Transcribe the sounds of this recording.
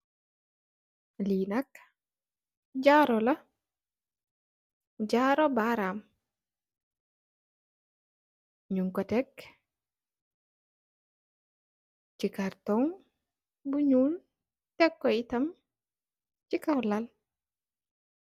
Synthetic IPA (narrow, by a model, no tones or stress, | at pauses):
linak | d͡ʒaɾɔla | d͡ʒaɾɔbaɾam | ɲuŋkɔtɛk | t͡ʃikaɾtɔŋ | buɲul | tɛkːɔitam | t͡ʃikawlal